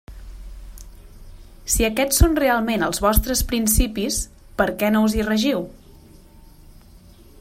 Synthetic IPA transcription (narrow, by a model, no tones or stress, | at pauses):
siəkɛt͡sːonrealˠmenəlˠzβɔst̪ɾəspɾinsipis | pəɾkɛnowzirəʒiw